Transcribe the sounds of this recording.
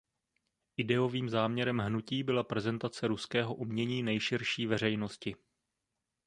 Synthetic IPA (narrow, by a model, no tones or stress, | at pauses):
ʔɪdɛo̞viːmzaːmɲɛɾɛmɦnuciːbɪlapɾɛzɛnt̪at͡sɛɾuskɛːɦo̞ʔumɲɛɲiːnɛjʃɪɾʃiːvɛr̝ɛjno̞scɪ